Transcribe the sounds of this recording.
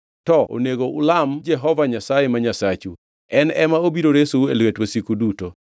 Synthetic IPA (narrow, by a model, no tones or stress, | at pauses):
tɔʔo̰neɡoulamd͡ʒɛɦɔvaɲasajemaɲasat͡ʃṵ | ɛnɛmaobiɾoɾesuelwetwosikuduto